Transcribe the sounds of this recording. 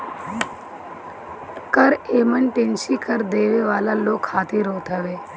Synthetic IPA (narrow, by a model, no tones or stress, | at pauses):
kəɾeːmənʈɪ̃nsikəɾd̪eːʋeʋaːlaloːɡkʰaːt̪iɾoːt̪aʋeː